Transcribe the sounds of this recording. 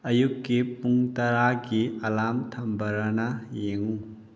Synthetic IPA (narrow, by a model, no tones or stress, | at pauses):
ɐjukːipuŋtɐɾaɡiɐlamtʰɐmbʱɐɾɐnɐjeŋu